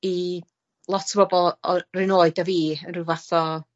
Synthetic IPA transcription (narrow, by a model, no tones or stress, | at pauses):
i | lˠɔtʰəbɔbɔlˠɔrɪnoːɨdaviːənrɪwvaθɔ